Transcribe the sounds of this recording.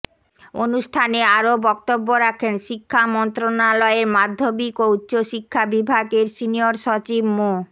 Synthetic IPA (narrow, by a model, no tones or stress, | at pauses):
onuʃʈʰaneaɾobɔk̚t̪obːoɾakʰenʃikʰːamɔnt̪ɾonalɔeɾmad̪ʱːobikoutːɕoʃikʰːabibʱaɡeɾsinioɾʃɔt͡ɕibmo